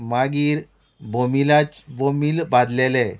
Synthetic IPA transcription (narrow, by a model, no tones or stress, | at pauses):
maɡiːɾ | bomilat͡sbomiːlbad̪lelɛ